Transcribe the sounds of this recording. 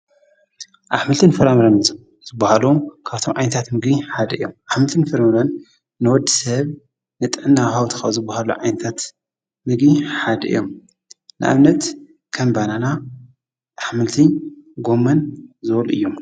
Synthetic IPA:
ʔaħmɨlt̪ʰɨnfɐɾamɾɐnz | zɨbːahalɐkʰaβt̪ʰo̞mʕajnɐt̪ʰat̪mɨɡiħad̪ɨ̰jːo̰mʔaħmɨlt̪ʰɨnfɨɾamɾɐnː | ɨwɔd̪ːisɐβ | nɨt̪ʼɨʕɨnːawhawt̪ʰɨ̥xɐzɨbːahalṵʕajnɐt̪ʰat̪ | mɨɡiħad̪ɨ̰jːom | nʔɨ̰ʔa̰mnɐt̪ | kʰɐmbanana | ʔaħmɨlt̪ʰiɡo̞mːɐnzɨwluʔɨ̰jːom

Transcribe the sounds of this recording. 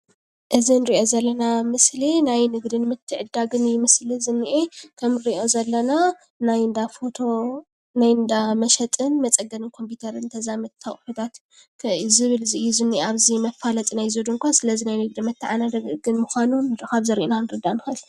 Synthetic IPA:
ʔɨzinɨɾiʔo̞zɐlːɐnamɨslinajnɨɡd̪ɨnmɨt̪ʰːɨʕɨd̪ːaɡɨnjɪmɨslɨzɨnːiʔekʰɐmɨɾiʔo̞zɐlːɐna | najnd̪afot̪ʰo̞ | najɨnd̪amɐʃɛt̪ʼɨnmɐt͡sʼɐɡɐnɨnkʰo̞mpit̪ʰɐɾɨnt̪ʰɐzamɐt̪t̪ʰːɐχʼħut̪ʰat̪ | kʰzɨβɨlziʔjuzɨnːiʔeaβzimɐfalɐt̪ʼinajzod̪uŋkʷʰasɨlɐzinajnɨɡ̚d̪ɨmɨt̪ʰːɨʕanad̪ɐɡɨnmuxʷanunkaβzɐɾiʔonanɨɾɨd̪anɨxɐl

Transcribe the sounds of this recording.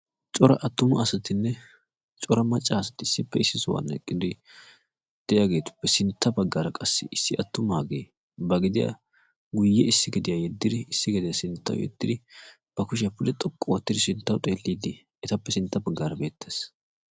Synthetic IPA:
t͡ʃʼɔɾɐʔɐt̪ːʊmʊɐsɐt̪ɪnːɛ | t͡ʃʼɔɾɐmɐt͡ʃʼːasɐt̪ːɪɪsːɪpːɛɪsːɪsʊwɐ̰nːɛ̰kʼːɪd̪ɪ | d̪̥ɛjaɡe̞ːt̪ʊ̥pːɛsɪnt̪ːɐbɐɡːaːɾɐkʼɐsːɪ̰ʔɪsːɪɐt̪ːʊmhaːɡeː | bɐɡɪd̪ɪja̰ | ɡʊjːɛɪsːɪɡɛd̪ɪjajɛd̪ːɪd̪ɪɪsːɪɡɪd̪ɪjasɪnt̪ːɐ̰wʊ̰jɛ̰d̪ːɪd̪ɪ | b̥ɐkʊʃɪjɐpʊlɛt̪ʼɔkʼːɔwɔt̪ːɪd̪ɪsɪnt̪ːɐwt̪ʼeːlːiːd̪ɪ | ɛt̪ɐpːɛsɪnt̪ːɐbɐɡːaːɾɐbe̞ːt̪ʰːeːs

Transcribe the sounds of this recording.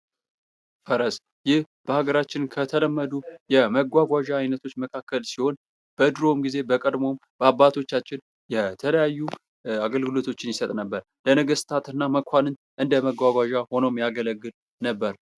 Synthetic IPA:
fəɾəs | jɪh | b̥əhaɡəɾat͡ʃːɪnkʰət̪ʰələmːəd̪ujɛməɡʷaɡʷaʒaːjnət̪ʰo̞t͡ʃːməkʰakːəlsiho̞n | b̥əd̪ɾo̞mɡize̞bəkʼəd̪mo̞mb̥əabːat̪ʰo̞t͡ʃːat͡ʃːɪn | jɛt̪ʰələjajːu | aɡəlɡɨlo̞t̪ʰo̞t͡ʃːɪnjɪsət̪ʼnəbːəɾ | lənəɡəst̪ʰat̪ɨnːaməkʰʷanɨn | ʔɨnd̪əməɡʷaɡʷaʒaho̞nomjaɡələɡːɨl | nəbːəɾ

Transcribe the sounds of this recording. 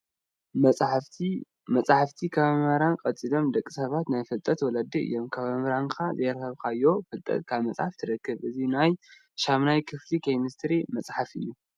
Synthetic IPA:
mɐt͡sʼħaft̪ʰikʰɐβɐmɐɾankʼɐt͡sʼilo̞md̪ɐkʼːisɐβat̪najfɨlt̪ʼɐt̪wɔlad̪iɨ̰jːomkʰɐβɐmɐɾankʰazɐjɾɐxɐβkʰajːo̞fɨlt̪ʼɐ̰t̪kʰaβmɐt͡sʼħaft̪ʰɨɾɐkːɨβʔɨzinaj | ʃamnajkʰɨflikʰejmɨst̪ʰɨɾimɐt͡sʼħafɨ̰jːu

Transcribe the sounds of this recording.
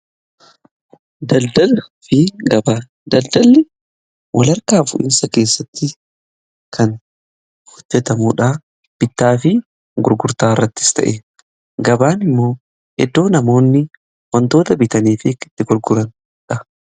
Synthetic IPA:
d̪ɐld̪ɐlfɪɡɐbaː | d̪ɐld̪ɐlːɪ | wʔɐlɐɾkaːfʊ̰ʔɪ̰nsɐke̞ːsːɐt̪ːɪ | kɐn | hɔd͡ʒːɛt̪ɐmuːᶑɐ | b̥ɪt̪ːaːfɪ | ɡʊɾɡʊɾt̪aːɪrːɐt̪ːɪ̥st̪ɐ̰ʔeː | ɡɐbaːnɪmːo̞ː | hɛd̪ːo̞ːnɐmo̞ːnːɪ | wɔnt̪o̞ːt̪ɐbɪt̪ɐniːfɪkɪ̥t̪ːɪɡʊɾɡʊɾɐn | ᶑɐ

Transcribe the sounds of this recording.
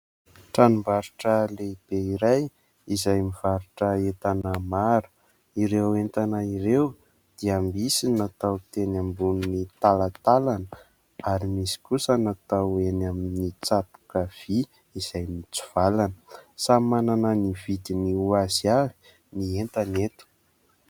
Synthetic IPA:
ʈ͡ʂanumbaɾuʈ͡ʂəleb̥eiɾaj | izajmiv̥aɾuʈ͡ʂəet̪anəmaɾu̥ | iɾewent̪anaiɾew | d̪̥iambisinat̪awt̪enambununit̪alat̪alanə | aɾimisi̥kusənat̪awenaminit͡sat̪u̥kav̥i | iz̥ajmit͡su̥v̥alanəsamanananivid̪iniuaziavi̥ | nient̪anet̪u̥

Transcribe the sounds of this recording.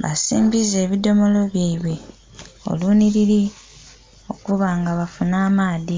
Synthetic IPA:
βa̰sḭːmbize̞ːβido̞mo̞lo̞βjaiβwe̞ | o̞̰luːniɾiɾi | o̞̰kuβaːŋɡaβafunaːmaːði

